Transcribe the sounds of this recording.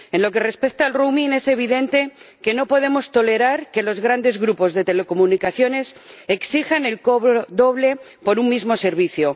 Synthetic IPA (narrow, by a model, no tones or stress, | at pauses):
e̞nlo̞ke̞re̞spe̞k̚t̪aːlrumĩne̞se̞β̞iðe̞nt̪e̞ke̞no̞po̞ðe̞mo̞st̪o̞le̞ɾaɾke̞lo̞zɣɾand̪e̞zɣɾupo̞zðe̞t̪e̞le̞ko̞munikaθjo̞ne̞seksixane̞lkoβod̪o̞βle̞ | po̞ɾuŋmizmo̞se̞ɾβ̞iθjo